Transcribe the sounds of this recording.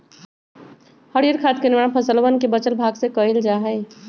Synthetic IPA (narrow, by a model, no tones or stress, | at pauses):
həɽiɾkʰaːt̪̚kenɪmaːɳpʰəsəlwənkebət͡ʃəlbʱaːɡsekəild͡ʒaːɦɛː